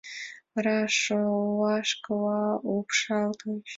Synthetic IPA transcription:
raʂowaʂkʼwaupʰʂaltʰoʃ

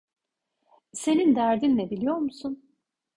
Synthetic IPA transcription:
se̞nind̪æɾd̪inlʲɛbilʲijo̞ɾmusun

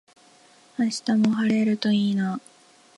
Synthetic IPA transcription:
aɕi̥t̪amo̞ɦaɾe̞ɾɯ̟t̪o̞iːna

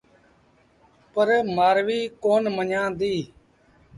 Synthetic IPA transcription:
pəɾmaːɾʋiːkoːnməɲãːd̪iː

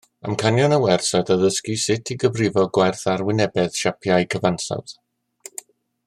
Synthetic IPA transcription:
ə̰mkʰanjanəwɛrsadaðəskisɪtʰiɡəvrɪvɔɡwɛrθarwɪnɛbɛð̥ʃapʰjajkʰəvansa̰wð̥

